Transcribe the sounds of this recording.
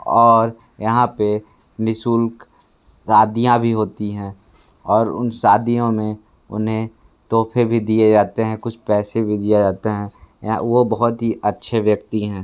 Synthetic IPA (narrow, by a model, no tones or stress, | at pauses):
ɔːɾ | jɐɦãpe | nɪsuːlk | saːd̪ijãbʱiɦoːt̪iɦɛ̃ː | ɔːɾʊ̰nsaːd̪ijõmẽ | ʊ̰nɦẽ | t̪oːpʰebʱid̪ied͡ʒaːt̪eɦɛ̃kʊt͡ʃʰpɛːsebʱid̪ijed͡ʒaːt̪eɦɛ̃j̰̃ʋobɐɦʊt̪ɦiʔɐtːʃʰeʋjɐk̚t̪iɦɛ̃ː